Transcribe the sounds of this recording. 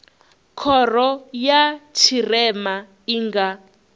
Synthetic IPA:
kʰɔrɔjat͡ʃʰirɛma | iːŋɡa

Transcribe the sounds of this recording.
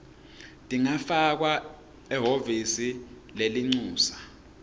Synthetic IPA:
tʼiŋafak̬wa | ɛɦovisi | leliŋ͡ǀuːsḁ

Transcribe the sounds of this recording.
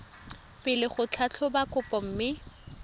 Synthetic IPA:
pɪlɪχʊt͡ɬʰat͡ɬʰʊbakʼʊpʼɔm̩mɪ

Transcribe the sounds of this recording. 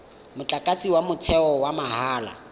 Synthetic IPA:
mʊt͡ɬʼakʼat͡sʼiwamʊt͡sʰɛɔwamaɦaːla̰

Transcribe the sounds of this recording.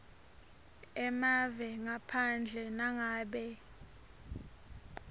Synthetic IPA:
ɛmavɛŋapʰand͡ɮʱɛnaŋaːɓɛ

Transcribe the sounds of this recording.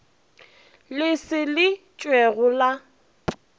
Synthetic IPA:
lɪsɪlɪ | t͡ʃʼweɣʊla

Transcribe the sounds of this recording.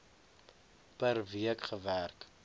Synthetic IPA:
pərviəkχəværk

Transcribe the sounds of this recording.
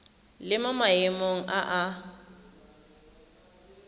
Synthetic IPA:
lɪmamaemoŋ̩ʔaʔa

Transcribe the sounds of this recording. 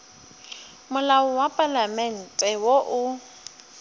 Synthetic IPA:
mʊlawʊwapʼalamɛn̩tʼɛwoʔʊ

